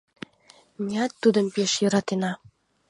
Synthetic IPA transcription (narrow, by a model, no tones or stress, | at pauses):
mʲiɑt̪ːud̪ə̆mpeʃjɤ̆ɾɑt̪enɑ